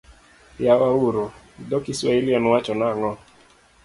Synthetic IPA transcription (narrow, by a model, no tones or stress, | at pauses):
jawauɾo | dɔkiswailianwat͡ʃɔnaŋɔ